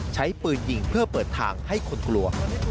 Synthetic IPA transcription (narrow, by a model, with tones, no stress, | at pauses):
t͡ɕʰa˦˥jpɯː˧nji˨˩ŋpʰɯ˥˩ɐpɤː˨˩t̪ʰːa̰ː˧ŋha˥˩jkʰo˧nklu˧ɐ